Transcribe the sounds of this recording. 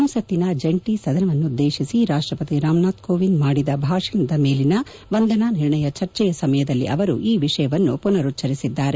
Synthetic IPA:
ɐmusɐt̪ːinɐd͡ʒeɳʈisɐd̪ʱɐnɐʋɐnːud̪ːe̞ːʃisiɾaːʂʈɾɐpɐt̪iɾaːmnaːt̪koːʋind̪maːɽid̪ɐbʱaːʂiinɐd̪ɐme̞ːlinɐ | ʋɐnd̪ɐnaːniɾɳɐjɐt͡ʃɐɾt͡ʃɛjɐsɐmɐjɐd̪ɐlːḭʔɐʋɐɾṵʔiːʋiʂɐjɐʋɐnːupunɐɾut̪ːt͡ʃɐɾisid̪ːaːɾe

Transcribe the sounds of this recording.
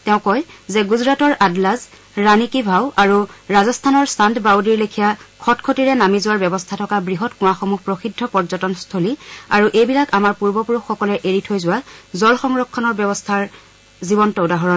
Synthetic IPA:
tɛʊ̃kɔjzɛɡuzɹatɔɹʔadlaz | ɹanikibʱawʔaɹuɹazɔstʰanɔɹsandbawdiɹlekʰijakʰɔtkʰotiɹɛnamizʊwaɹbjɛbɔstʰatʰɔkabɹiɦɔtkʊ̃axɔmuhpɹoxidʱːɔpɔɹzɔtɔnstʰoliaɹuʔejbilakamaɹpuɹbɔpuɹuxːɔkɔlɛʔeɹitʰojzʊwazɔlxɔŋɹɔkʰːɔnɔɹbjɔbɔstʰaɹ | zibɔntɔʊdaɦɔɹɔn

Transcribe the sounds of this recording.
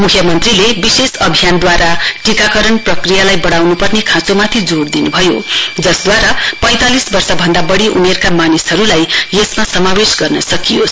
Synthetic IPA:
mukʰjʌmʌnt̪rilebisesʌbʱijand̪waɾaʈikakʌɾʌɳprʌkrijalajbʌɽawnupʌrnekʰãt͡somat̪ʰid͡zoɽd̪inubʱʌjo̰d͡zʌsd̪waɾapʌ̃j̃t̪alisbʌrsʌbʱʌnd̪abʌɽiʔunierkamanisɦʌɾulajesmasʌmawesɡʌrnʌsʌkijos

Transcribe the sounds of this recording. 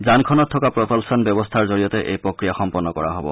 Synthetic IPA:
zankʰɔnɔtʰːɔkapɹɔpɔlsɔnbɔbɔstʰaɹzoɹijɔtɛʔḛjpɹokɹijaxɔmpɔnːɔkɔɹa̰ɦɔbɔ̰

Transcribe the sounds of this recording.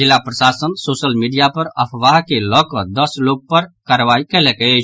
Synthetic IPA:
ɪlːapɾəsasənsoːsəlmiɖijapəɾəpʰʋaɦkelɔkɔd̪əsloɡ̚pəɾkaɾʋaikɛlɛke

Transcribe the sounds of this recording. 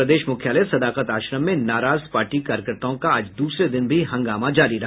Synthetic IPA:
ɐd̪eːʃmʊkʰjaːlesɐd̪aːqət̪aːʃɾəmːẽnaːɾaːzpaːɾʈikaːɾjəkəɾt̪aõkaaːd͡ʒd̪uːsɾed̪ɪnbʱiɦɐ̃ŋɡaːmad͡ʒaːɾiɾɐɦ

